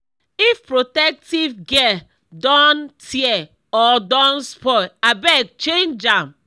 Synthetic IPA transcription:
ifpɾotɛk̚tivɡɛ | dɔntʰiɛ | ɔdɔnspɔjabɛk̚t͡ʃend͡ʒam

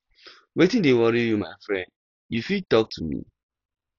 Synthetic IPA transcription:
wetĩndewɔɾijumaɪfɹɛ̃nd̚ | jufitɔk̚tʰumḭ

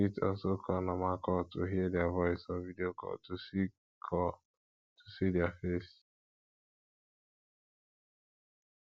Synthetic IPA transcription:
itɔ̰sokʰɔnamakɔtuɦiedjavɔɪsɔnvidiokɔ̰tusi | kʰɔ | tʰu̥sidiafest

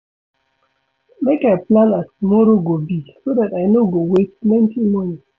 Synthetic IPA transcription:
mekajplãnastumɔɾoɡobisodatajnoɡowetplɛ̃ntʰimɔ̃ni

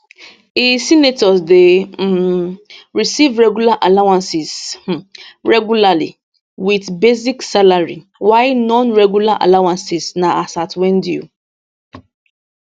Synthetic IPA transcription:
isinetɔsde | ɹisivɹɛɡulaʔalawãnsɪz | ɹɛɡjulalḭ | widbeziksalaɹi | waɪnɔ̃nɹɛɡulaʔa̰lawãnsɪsnaʔasatwẽndju

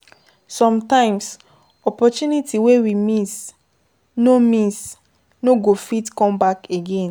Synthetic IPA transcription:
sɔ̃mtãɪ̃ms | ɔpɔtunitiwewimis | nomĩs | noɡofitkɔ̃mbakeɡẽn

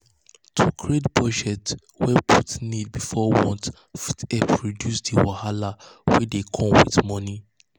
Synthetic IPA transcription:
tʰukʰɹedbɔd͡ʒɛt | wɛpʰutnid̚bifɔwɔ̃nt | fitɛpɹidjusdiwahalawɛdekʰɔ̃mwḭtmɔni

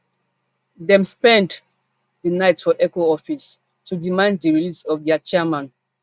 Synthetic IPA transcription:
ðɛ̃mspɛ̃nd | ðənaɪtsfɔʔɛkoɔfis | tudimãnd̚ðəɹilisɔvðɛt͡ʃɛmãn

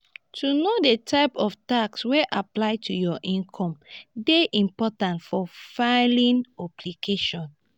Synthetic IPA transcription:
tʰunodetʰaɪpɔftaksweʔaplaɪtʰujɔʔĩnkʰɔ̃mdeʔĩmpɔtãntfɔfaɪlĩnɔplikʰeʃɔ̃n

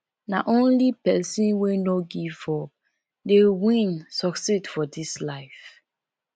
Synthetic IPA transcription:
na̰ʔõnlipɛsĩnwenoɡifɔ | dewĩnsɔksidfɔdislaɪf

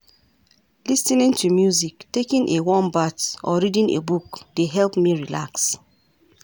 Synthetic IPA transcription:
lisĩnĩntumjuziktekĩnʔewɔ̃mbatɔ̰ɹidĩnḛbukdeɦɛlpmiɹila̰ks

